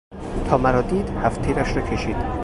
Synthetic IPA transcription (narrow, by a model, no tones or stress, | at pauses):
t̪ʰɒːmæɾɒːd̪iːd̪hæft̪ʰiːɾæʃɾɒːcʰe̞ʃiːd̪̥